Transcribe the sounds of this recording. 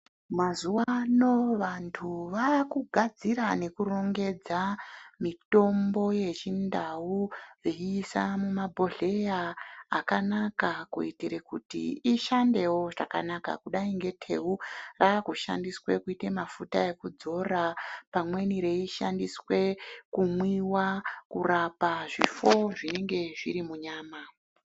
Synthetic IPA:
mazuwano̞ʋantʰuʋaːkuɡʱad͡ziɾane̞kuro̞ŋɡe̞d͡zamito̞mbo̞je̞t͡ʃindawuʐeiːsamumabʱo̞ɮe̞jaːkanakakṵitiɾekṵtḭiʃande̞wo̞ʐaka̰naka̰kuɗaiŋɡe̞tʰe̞̰urakuʃa̰ndiswe̞kuite̞mafutaje̞kud͡zo̞rapamwe̞niɾe̞iʃa̰ndiswe̞kumwiwakurapaʐḭfo̞ʐine̞ŋɡe̞ʐiɾimuɲaːma

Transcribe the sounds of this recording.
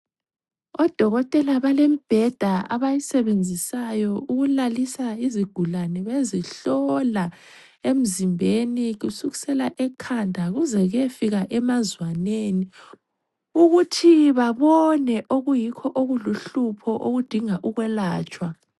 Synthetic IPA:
ɔd̥ʱɔɣɔtʼɛlaβalemib̥ʱɛd̥ʱaa̰βajisɛβend͡zʱisajɔuɣulalisaiziɡ̥ʱulanɛβeziɬɔla | em̩zimbʱeniɣusuɣi̥sɛlaʔɛkʰandʱaɣuzɛɣefiɣaʔɛmazwaneːni | uɣutʰiβaβɔnɛʔoɣujikʰɔʔoɣuluɬupʰɔʔoɣud̥ʱiŋaʔuɣwɛlaːt͡ʃʼwa

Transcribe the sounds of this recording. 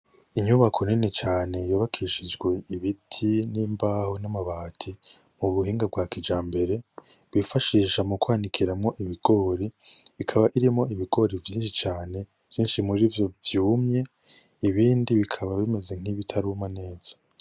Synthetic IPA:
iɲuβakʰo̞nine̞t͡ʃaːne̞joːβakʰiʃid͡ʒɡwe̞iβitʰiniːmbaːhonamaβaːtʰi | muβuɦiːŋɡab̚ɡwaːkid͡ʒaːmbe̞ɾe̞βifaʃiːʃamukwaːnikʰiɾamŋo̞ʔiβiɡ̥o̞ːɾiβikʰaβaʔiɾimŋo̞iβiɡo̞ɾivjiːnʃit͡ʃaːne̞ | v̥jiːnʃimuɾivjo̞vjuːmɲe̞ | iβiːndiβikʰaβaβime̞ze̞ŋ̥iβitʰaɾumane̞ːz̥ḁ

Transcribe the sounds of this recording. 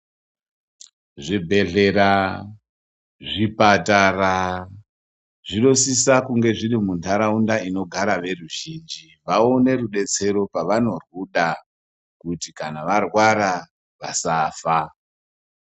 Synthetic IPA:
ʐibʱe̞ɮe̞ɾa | ʐipatara | ʐino̞sisakuŋɡe̞ʐirimuntʰaɾaundaino̞ɡʱaɾaʋe̞ruʒind͡ʒi | ʋaone̞ɾuɗe̞t͡se̞ɾo̞paʋano̞rwuɗa | kutikanaʋarwaɾa | ʋasaːfa

